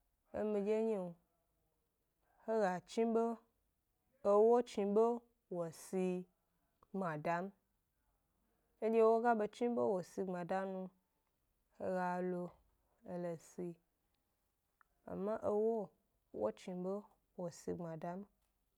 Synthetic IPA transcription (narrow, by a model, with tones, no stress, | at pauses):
ḛ˦mĩ˧d͡ʒe˦ɲe˦˨ | he˦ɣa˨t͡ʃi˦be˦ | o˦wo˦t͡ʃi˧be˦ | wo˨si˧ | ɡ͡ba˨da˨˦m | e˦d͡ʒe˦wo˦ɡa˦be˧t͡ʃĩ˦be˦wo˨si˧ɡ͡bã˨da˦nũ˧ | he˦ɣa˨lo˧ | e˨le˨si˧ | a̰˨mːã˦ʔe˦wo˦ | wo̰˦t͡ʃi˧be˦ | wo˨si˧ɡ͡bã˨da˦m